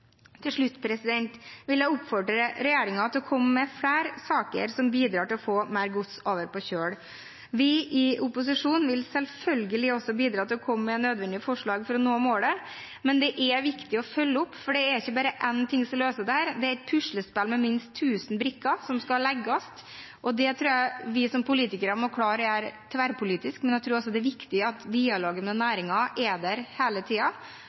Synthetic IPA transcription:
t̪ʰɪlʂɭʉt̪ːpʰɾɛsɪd̪ɛnt̪ʋɪljæɪʊpːfɔɖɾəɾɛjeːɾɪŋɑt̪ɪlɔkʰɔmːəmɛfɽæːɾsɑːkə̰ɾsɔmbiːd̪ɾɑːʈɪlɔfoːmæɪɾɡʊt̪soːʋəɾpɔɕøːɽ | ʋɪɪʊpʊs̬ɪʂuːnʋɪlsɛlfœlɡəlɪɔsːɔbiːd̪ɾɑːt̪ɪlɔkʰɔməmɛnøːd̪ʋɛnd̪ɪəfɔʂɭɑːɡfɾɔnoːmoːɽə | mɛnd̪ɛʔɛʋɪkt̪ɪɔfœlːəʊpːfɔɖɛæɾɪçːəbɑːɾəʔɛnt̪ʰɪŋsɔløːsəd̪ɛhæːɾd̪ɛæɾɛt̪̚pʰʉʂləspɛlmɛmɪnst̪ʰːʉːsən̩bɾɪkːɑsɔmskɑlɛɡːɑst̪ | ʔɔd̪ɛt̪ʰɾuːjæɪʋɪsɔmpʰʊliːt̪ɪkəɾɑmɔɾkʰɽɑːɾəæɾt̪ʰʋæɾpʰʊliːt̪ɪskmɛnæɪt̪ʰɾuːɾɔsɔd̪ɛʋɪkt̪ɪəɑt̪d̪iːɑloːɡənmɛnæːɾɪŋɑʔɛd̪æɾheːlət̪ʰiːɑ

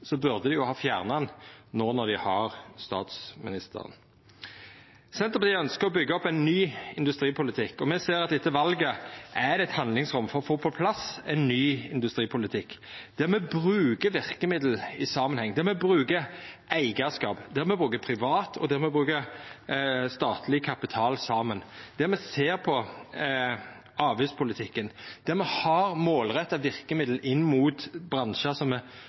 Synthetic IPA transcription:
sɔbʉʁd̪əd̪ɛjʊhɑːfjæːʁnɑnnoːnɔd̪ɪhɑɾst̪ɑ̰ːt̪smɪ̰nɪst̪ə̰ʁə̰n | sɛnt̪əpɑt̪iːœnskəɾɔbʏɡːəɔpːæɪnːyːɪnd̪ʉst̪ɾiːpʰʊlɪt̪ʰɪkːɔmɛseːɾɑt̪ɛt̪ːəʋɑlɡəʔæd̪ɛɛt̪hɑnd̪lɪŋsʁʊmːfɔɾɔfoːpʰɔpʰlɑsɛɪnnyːɪ̰nd̪ʉst̪ɾiːpʰʊlɪt̪ʰɪkːd̪̥æʁmɛbʁʉːkəʋɪʁkəmɪd̪l̩ɪsɑːmənhɛŋːənd̪ɛmɛbɾʉːkəʔæɪɡəskɑːpd̪ɛɾmɛbʁʉːkəpʰɾɪʋɑːt̪ʰɔ̰d̪ɛmɛbʁʉːkə | st̪ɑːt̪ʰlɪkʰɑpɪt̪ʰɑːlsɑːmənd̪̥ɛɾmɛseːɾpʰɔ | ɑːʋɪːspʰʊlɪt̪ʰɪkːənd̪̥ɛɾmɛhɑɾmoːlʁɛt̪ːɑʋɪɾkəmɪd̪l̩ʔɪnːmuːt̪bɾɑnʃəsɔmɛ

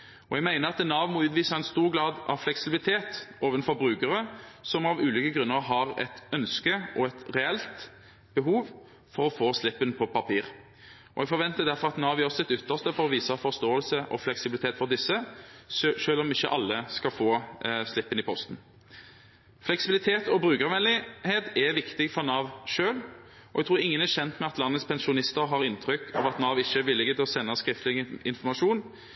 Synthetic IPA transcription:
ɔɛɡmæɪnəʁɑt̪ɛnːɑːʋmɔʉːt̪ʋiːsəɛnst̪uːʁɡlɑːd̪ʔɑʋflɛksɪbɪlɪt̪ʰeːt̪oːʋənfɔʁbʁʉːkəʁəsɔmɑʋʉːliːkəɡɾʉnːəɾɦɑʁɛ̰t̪œnskəɔɛt̪ʁɛɛlt̪ | b̥əɦuːʋ | fɔʁɔfoːslɪpːənpʰɔpɑpʰiːʁ | ɔ̰ɛɡfɔɾʋɛnt̪əd̪æʁfɔʁɑt̪nɑːʋjəʁsɪt̪ːʏt̪ːəʁst̪əfɔʁɔʋiːsɑfɔʁst̪oːəlsəʔɔ̰flɛksɪbɪlɪt̪ʰeːt̪fɔʁd̪ɪsːəsʃøːlɔmɪçːəʔɑlːəskɑfoːslɪpːənɪpʰɔst̪n̩ | flɛksɪbɪlɪt̪ʰeːt̪ɔbʁʉːkəʁʋɛlɪheːt̪ɛʋɪkt̪ɪɡfɔʁnɑːʋʂøːlɔʔɛɡ̚t̪ʁuːɾɪŋːənæɕɛnt̪mɛɑt̪lɑnːət̪spʰɛnsʊnɪst̪əɾɦɑɾɪnt̪ʰɾʏkːʰɑ̰ʋɑt̪nɑːʋɪçːəæʋɪlːɪɡət̪ʰɪlɔsɛnːɑskɾɪft̪lɪɪnfɔʁmɑʂuːn

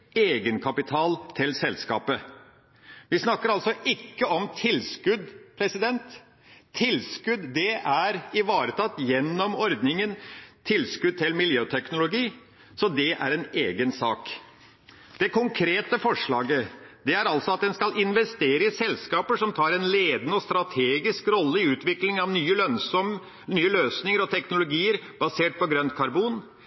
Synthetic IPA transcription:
eːɡənkʰɑpɪt̪ʰɑːlt̪ʰɪlsɛlskɑ̰ːpə | ʋɪsnɑkːəɾɑlsɔʔɪkːəɔmt̪ʰɪlskʉd̪pʰɾɛsɪd̪ɛnt̪ʰː | ɪlskʉd̪d̪ɛʔæɾɪʋɑːɾət̪ʰɑt̪ːjɛnːɔmɔɾd̪nɪŋənt̪ʰɪlskʉd̪̚t̪ʰɪlmɪljøːt̪ʰɛknʊlʊɡiː | sɔd̪ɛʔæ̰ɾɛneːɡənsɑ̰ːk | d̪̥ɛkʰʊŋkʰɾeːt̪əfɔʂɭɑːɡəd̪̥ɛæɾɑlt̪sɔɑt̪̚d̪ɛnskɑlɪnʋɛst̪eːɾəɪsɛlskɑːpəʂɔmt̪ʰɑːɾɛnleːd̪nəɔst̪ɾɑt̪ʰeːɡɪskɾɔlːəɪʉːt̪ʋɪklɪŋɑʋnyːəlœnsɔm | nyːəløːsnɪŋəɾɔt̪ʰɛknʊlʊɡiːəɾb̥ɑseːʈ̚pɔɡɾœnt̪kʰɑɾbuːn

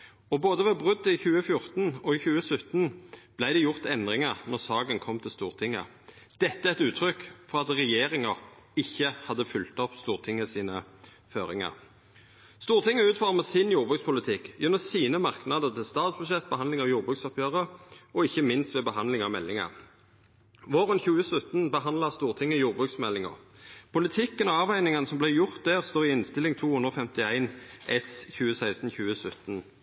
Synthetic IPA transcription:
ɔboːd̪əʋɛbʁʉd̪ːɪçʉːəfjʊʁt̪n̩ɔɪçʉːəsʉt̪n̩b̥læɪd̪ɛjʊʁt̪ɛnd̪ʁɪŋəʁnɔʁsɑːɡənkʰɔmːt̪ʰɪlst̪uːʁt̪ʰɪŋːə̰ | d̪̥ɛt̪ːəæɛt̪ʉːt̪ʰɾʏkːfɔʁɑt̪ʁɛjeːɾɪŋə | ɪçːəhɑd̪ːəfʏlt̪ɔpst̪uːʁt̪ʰɪŋəsiːnə | føːʁɪ̰ŋɑ̰ʁ | st̪uːʁt̪ʰɪŋːəʉːt̪fɑʁməsɪnjuːʁbʁʉkspʰʊlɪt̪ʰɪkːjʉnːɔsiːnəmɑʁknɑd̪əʁt̪ʰɪlst̪ɑːt̪sbʉʃɛt̪̚ːbəhɑnd̪lɪŋɑʋjuːʁbʁʉksɔpʰjøːʁəʔɔɪçəmɪnst̪ʋeːbəɦɑnd̪lɪŋɑʋmɛlːɪŋɑ̰ʁ | ʋoːʁənçʉːəsʉt̪nbəɦɑnd̪lɑʁst̪uːʁt̪ʰɪŋːəjuːʁbʁʉːksmɛlːɪŋɑ̰ʁpʰʊlɪt̪ʰɪkːənɔɑːʋæɪnɪŋənəsɔmblæɪjʊʁt̪̚d̪æʁst̪oːʁɪɪnst̪ɪlɪŋt̪ʰuːhʉnd̪ʁɔːfɛmt̪ɪæɪnʔɛsçʉːəsæɪst̪n̩çʉːəsʉt̪n̩

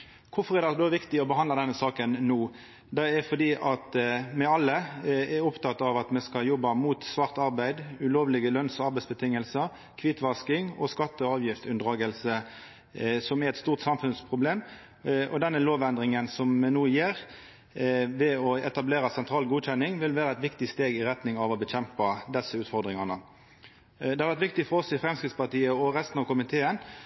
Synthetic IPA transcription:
kʰʊfɔʁɛʁd̪ɛd̪oːʋɪkt̪ɪɔbəɦɑnd̪lɑd̪ɛnəsɑːkənnuː | d̪ɛɛfɔd̪iːʔɑt̪mɛɑlːəɛɾɔpt̪ʰɑt̪ːɑʋɑt̪mɛskɑljɔbːɑmuːt̪sʋɑʁt̪ɑʁbæɪd̪ʉloːʋlɪɡəlœnsɔɑʁbæɪtsbət̪ʰɪŋːəlsə | kʰʋɪt̪ʋɑskɪŋɔ̰skɑt̪ːəɑːʋjɪft̪ʉnd̪ʁɑːɡəlsə | sɔmɛɾɛt̪st̪uːʁt̪sɑmfʉnspʰʁʊbleːm | ʔɔ̰d̪ɛnːəloːʋɛnd̪ɾɪŋənsɔmnuːjeːɾ | ʋɛɔɛt̪ɑbleːɾəsɛnt̪ʰɾɑːlɡuːc͡çɛnːɪŋʋɪlʋæːɾəɛt̪ʋɪkt̪ɪst̪eːɡɪʁɛt̪nɪŋɑʋɔbəçɛmpɑd̪ɛsːəʉːt̪fɔʁd̪ʁɪŋɑnə | d̪ɛhɑʋæʁt̪ʋɪkt̪ɪfɔʁɔsɪfʁɛmskɾɪt̪spɑʁt̪iːəɔʁɛst̪n̩ɑʋkʊmɪt̪ʰeːən

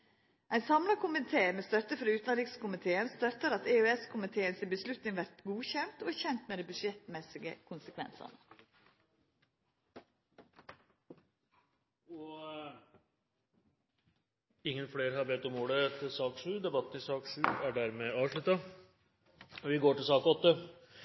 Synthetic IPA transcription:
ʔæɪnsɑmlɑkʰʊmɪt̪ʰeːmeːst̪œt̪əfɾɑʉːt̪nɾiːkskʰʊmɪt̪ʰeːənst̪œt̪ːəɾɑt̪eʉɛskʰʊmɪt̪ʰeːənsɪbəslʉt̪nɪŋʋæɾt̪ɡuːçɛnt̪oːæçɛnt̪meːd̪æɪbʉʂɛt̪mɛsɪɡə̰kʰʊnsəkʰʋɛ̰nsɑ̰nə | ɔ | ɪŋːənfleːɾəhɑɾbeːt̪ːɔmuːɽət̪ʰɪlsɑːkʂʉːd̪ɛbɑt̪ːn̩ɪsɑːkʂʉːæɖæɾmeɑːʋʂɭʉt̪ɑ | ʋɪɡoːʈɪlsɑːkɔt̪ːə

